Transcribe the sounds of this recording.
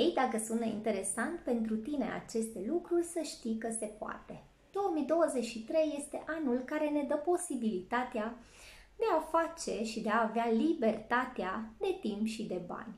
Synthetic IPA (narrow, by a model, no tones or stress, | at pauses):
jejd̪akəsunt̪ḭnt̪e̞ɾe̞sant̪pe̞nt̪ɾut̪ine̞̰a̰t͡ʃe̞st̪e̞lukɾurʲsəʃt̪ikəse̞poa̰t̪e̞ | d̪̥o̞wəmijd̪o̞wəze̞t͡ʃʲʃit̪ɾe̞jːe̞st̪e̞ʔanulkaɾe̞ne̞d̪əpo̞sibilit̪at̪ea | d̪e̞afat͡ʃe̞ʃid̪e̞aːvealibe̞rt̪at̪ead̪e̞t̪impʃid̪e̞ba̰nʲ